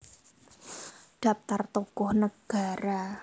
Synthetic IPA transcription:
ɖ̥a̤p̚t̪art̪ukʊhnəɡ̥aɾa

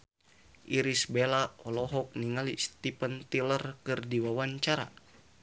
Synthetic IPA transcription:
ʔiɾisbelaɔlɔɦɔk̚niŋalist̪ipənt̪ilərkɨrdiwawaɲt͡ʃaɾa̰

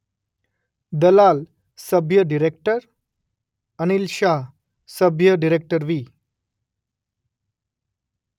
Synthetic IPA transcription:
d̪əlal | səbʱjəɖiɾek̚ʈəɾ | əñilɕa | səbʱjəɖiɾek̚ʈəɾʋiː

